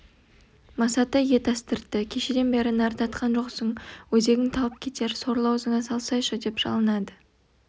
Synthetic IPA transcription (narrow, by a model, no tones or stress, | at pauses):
mɑsɑt̪əje̞t̪ɑst̪əɾt̪ːəkʲʰe̞ʃe̞d̪e̞nbeɾɪnɑɾt̪ɑt̪qʰɑnʒo̞qsəɴwɵze̞ɡʲɪŋt̪ʰɑlˠəp̚kʲʰe̞t̪e̞ɾso̞ɾlˠɑwzəɴɑsɑlˠsɑjʃʊd̪e̞pʒ̥ɑ̰lˠənɑd̪ə